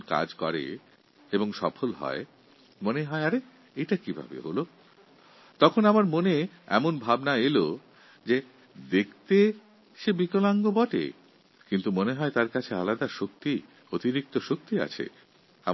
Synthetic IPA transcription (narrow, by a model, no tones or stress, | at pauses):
ka̰d͡ʑkɔɾḛ | eboŋʃɔ̰fʰolɦɔ̰e | moneɦɔeaɾe | ejʈakibʱa̰bḛɦolo | t̪ɔkʰonamaɾmone | ɛ̰monbʱabnaelo | d͡ʑe | d̪ekʰt̪e | ʃebikolaŋɡobɔʈḛ | kint̪umoneɦɔet̪aɾkat͡ɕʰealad̪aʃok̚t̪i | ot̪iɾik̚t̪oʃok̚t̪ia̰t͡ɕʰḛ | a